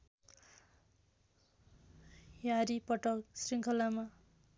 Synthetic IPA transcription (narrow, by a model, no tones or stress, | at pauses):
jaɾipʌʈʌksriŋkʰʌlama